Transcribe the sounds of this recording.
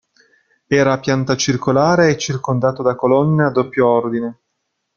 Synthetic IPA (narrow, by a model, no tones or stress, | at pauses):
ɛːɾapjant̪at͡ʃirkolaːɾeːt͡ʃːirkond̪aːt̪od̪akolɔnːead̪ːopːjoɔrd̪ine